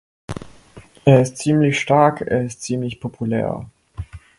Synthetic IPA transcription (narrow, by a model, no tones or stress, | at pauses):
ʔeːɐɪstt͡siːmlɪçʃtaɐkʰḛːɐɪstt͡siːmlɪçpʰopʰulɛ̰ːɐ